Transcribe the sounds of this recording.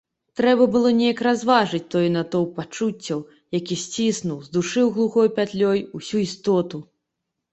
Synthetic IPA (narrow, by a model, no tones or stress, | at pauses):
t̪ɾɛbɐbɨlˠɔnʲejɐkɾazvaʐɨt͡sʲt̪ɔjnɐt̪ɔwpat͡ʂut͡sʲːɐw | jakʲisʲt͡sʲisnuwzd̪uʂɨwɣlˠuxɔjpʲat̪lʲɔjusʲuist̪ɔt̪u